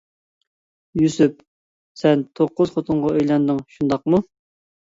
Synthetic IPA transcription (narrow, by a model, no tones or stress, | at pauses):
jysyp̚ | sɛnt̪ʰoqːʊz̥χot̪ʰʊɴʁɑøjlɛnd̪ɪŋʃund̪ɑqmu